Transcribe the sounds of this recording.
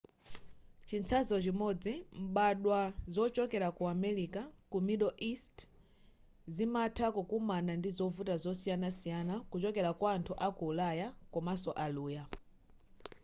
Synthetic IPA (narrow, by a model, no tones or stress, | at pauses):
t͡ʃint͡sʰazɔt͡ʃimɔd͡zim̩ɓaɗwazɔt͡ʃɔkɛɾakuamɛɾikakumiɗɔʔist | zimatʰakɔkumanandizɔvutazɔsijanasijanakut͡ʃɔkɛɾakwaːntʰuʔakuːlajakɔmasɔʔaluːja